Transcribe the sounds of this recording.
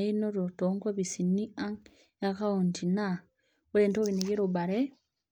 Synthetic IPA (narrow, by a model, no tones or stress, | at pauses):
inoɾotoŋɡwoβisiniaŋ | akauntina | uɾeːntoβinekiɾobaɾe